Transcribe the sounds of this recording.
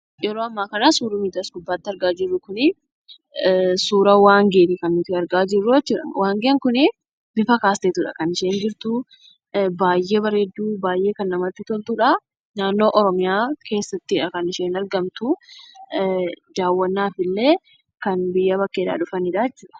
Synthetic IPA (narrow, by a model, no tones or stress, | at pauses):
jɛɾoːɐmːaːkɐnasuːɾʊmiːd̪asɡʊbːaːt̪ːɪɐɾɡaːd͡ʒɪrːʊkʊnɪ | suːɾɐwaːŋɡeːt̪ɪkɐnːʊt̪ɪɐɾɡaːd͡ʒɪrːʊɛt͡ʃːuᶑɐ̰wʔaːŋɡeŋkʊnɪ | b̥ɪfɐkaːst̪eːt̪uᶑɐ̰kɐnɪʃe̞ːnd͡ʒɪɾt̪ʊ | baːjːe̞ːbɐɾed̪ːuːbaːjʔe̞ːkɐnːɐmɐt̪ːɪt̪ɔlt̪uᶑɐ | naːnːo̞ːʔɔɾɔmɪjaːkʰe̞ːsːɐt̪ːɪᶑɐkɐnɪʃe̞ːnɐɾɡɐmt̪ʊ | d̪̥aːwːɐnːaːfɪlːe̞ː | kɐnbɪjːɐbɐkːeːᶑ̪a̰ːᶑʊfɐnɪᶑɐɛt͡ʃːuːᶑɐ̥